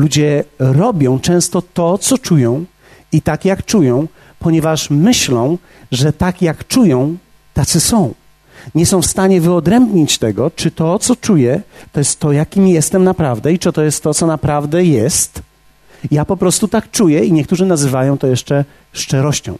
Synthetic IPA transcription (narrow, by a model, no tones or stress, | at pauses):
lud͡ʑɛɾɔbʲjɔ̃w̃t͡ʂɛ̃w̃st̪ɔt̪ɔt̪sɔt͡ʂujɔ̃w̃ | it̪akjakt͡ʂujɔ̃w̃ | pɔɲɛvaʂmɘɕlɔ̃w̃ | ʐɛt̪akjakt͡ʂujɔ̃w̃ | t̪at̪sɘsɔ̃w̃ | ɲɛsɔ̃w̃fst̪aɲɛvɘɔd̪ɾɛmbɲit͡ɕt̪ɛɡɔt͡ʂɘt̪ɔt̪sɔt͡ʂujɛt̪ɔjɛst̪ːɔjakʲimjɛst̪ɛmnapɾavd̪ɛit͡ʂɨt̪ɔjɛst̪ːɔt̪sɔnapɾavd̪ɛjɛst̪ | japɔpɾɔst̪ut̪ak̚t͡ʂujɛiɲɛk̚t̪uʐɘnazɘvajɔ̃w̃t̪ɔjɛʂt͡ʂɛ | ʂt͡ʂɛɾɔɕt͡ɕɔ̰̃w̃